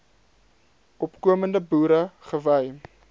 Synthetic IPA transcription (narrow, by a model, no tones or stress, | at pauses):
ɔpkuəməndəbuːɾəχəvəj